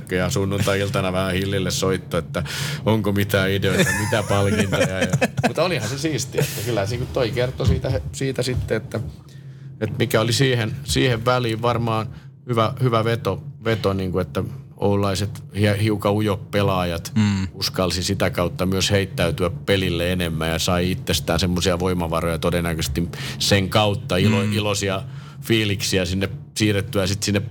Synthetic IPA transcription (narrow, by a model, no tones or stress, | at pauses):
kːøjɑsunːunt̪ɑilt̪ɑnɑʋæhæhilːilːessoit̪ːoet̪ːæoŋkomit̪æːideoit̪ɑmit̪æpɑlkint̪ɑjɑjɑmut̪ːolihɑnsesiːst̪iet̪ːækylːæhæsiŋkut̪t̪oikert̪ːosiːt̪æhesiːt̪æsit̪ːeet̪ːæ | et̪mikæolisiːhensiːheʋʋæliːʋʋɑrmɑːn | hyʋæhyʋæʋet̪oʋet̪oniːŋkuet̪ːæ | o̰ulːɑiset̪hiɑhiukɑujoppelɑːjɑt̪uskɑlsisit̪ækɑut̪ːɑmyøsheit̪ːæyt̪yæppelilːeenemːæ̰ːjɑsɑiit̪ːest̪æːnsemːosiɑʋoimɑʋɑrojɑt̪odenækøst̪imseŋkɑut̪ːɑiloilosiɑ | fiːliksiæsinːep | siːret̪ːyæsit̪sinːep